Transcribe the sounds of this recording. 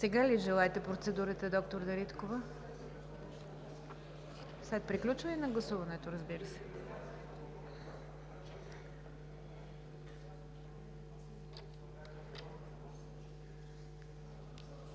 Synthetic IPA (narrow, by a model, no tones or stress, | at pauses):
sɛɡaliʒɛlˠaɛt̪ɛpɾot̪sɛd̪uɾət̪əd̪ɔk̚t̪oɾd̪ɐɾit̪kovə | slɛt̪̚pɾiklʲut͡ʃvəinɐɡlˠɐsuvɐnɛt̪oɾəzbiɾəsɛ̥